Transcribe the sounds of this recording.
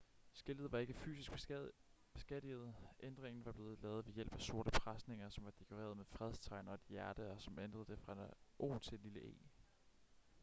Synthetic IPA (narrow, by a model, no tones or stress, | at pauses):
sɡ̥el̰ð̩ˠʋɑ̈e̝ɡ̥əfy̰ːsisɡ̥b̥b̥esɡ̥ed̥ið̞̩ˠʔend̥ʁeŋn̩ʋɑ̈b̥le̝ːð̞̩ˠlɛ̰ːʊð̞̩ˠʋe̝jel̰b̥æso̝ɐɾəpʰʁasne̝ŋɐsɒ̽mʋɑ̈d̥e̝kʰoʁḛːɐð̞̩ˠmefʁɛðˠst͡sʰɑ̈ɪnɐɒed̥jæɐd̥əɒ̽sɒ̽mend̥ʁɐðˠd̥e̝fʁɑ̈ʔo̝̰ːt͡sʰe̝d̥liləʔe̝̰ː